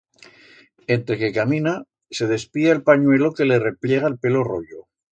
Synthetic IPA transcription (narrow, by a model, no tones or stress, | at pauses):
e̞nt̪ɾe̞kekamĩna | se̞ðe̞spiaelpaɲwe̞lo̞ke̞le̞re̞plje̞ɣ̞aelpe̞lo̞ro̞̰ʎo